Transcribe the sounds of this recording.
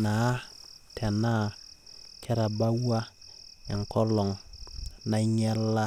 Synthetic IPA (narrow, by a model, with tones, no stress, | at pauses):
na˨˦tʰɛ˨na˦˨kʰe˦ɾa˨ba˦wa˦ɛ˨ŋ˨kɔ˦lɔ˨ŋ | na˦ɲɛ˦lːa˦